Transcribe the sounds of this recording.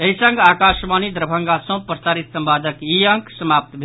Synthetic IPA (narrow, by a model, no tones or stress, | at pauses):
eɦisə̃ŋɡakaʃmanid̪ɾəbʱəŋɡasə̃pɾəsaɾit̪səmpad̪əkiəŋksəmap̚t̪bʱe